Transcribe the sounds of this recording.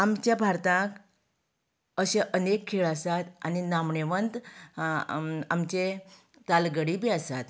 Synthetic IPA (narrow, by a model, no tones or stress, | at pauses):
amt͡ɕjãbʱaɾt̪ãk | əɕẽʔənekʰːeɭasat̪aninamɳeʋənt̪ | amt͡ɕe | t̪alɡəɽibiasat̪